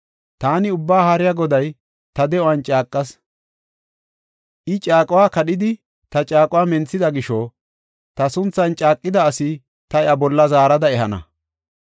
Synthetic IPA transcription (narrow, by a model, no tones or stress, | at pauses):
t̪aːnɪʊbːaːhaːɾɪjaɡɔd̪ɐj | t̪ɐd̪ɛɔwɐnt͡ʃʼaːkʼːɐs | ʔɪt͡ʃʼaːkʼʊwaːkɐɗɪd̪ɪ | t̪ɐt͡ʃʼaːkʼʊwaːmɛnt͡sːɪd̪ɐɡɪʃɔː | t̪ɐsʊnt͡sːɐnt͡ʃʼaːkʼːɪd̪ɐːsɪ | t̪ɐɛɐbɔlːɐzaːɾɐd̪ɐɛhɐnɐ̰